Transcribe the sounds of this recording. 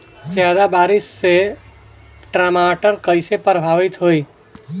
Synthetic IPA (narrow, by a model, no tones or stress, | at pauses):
d͡ʒjad̪abaɾɪsːe | ʈɾamaʈəɾkəɪsepɾəbʱaʋit̪ɦoj